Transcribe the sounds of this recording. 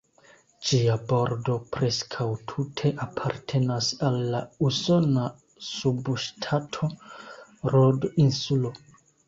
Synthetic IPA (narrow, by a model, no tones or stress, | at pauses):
d͡ʒiabo̞ɾdo̞pɾe̞skʰawtʰutʰe̞ʔapʰaɾtʰe̞nasalːauso̞na | subʃtʰatʰo̞ | ɾodinsulo̞